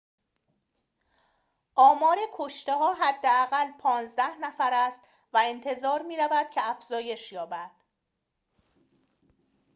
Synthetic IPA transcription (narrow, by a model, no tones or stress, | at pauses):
ʔɒːmɒːɾekʰoʃt̪e̞ɦɒːɦæd̪ːeæɣælpʰɒːnzd̪æhnæfæɾæst̪ | væent̪ʰe̞zɒːɾmiːɾævæd̪̥̚cʰeæfz̥ɒːje̞ʃjɒːbæd̪̥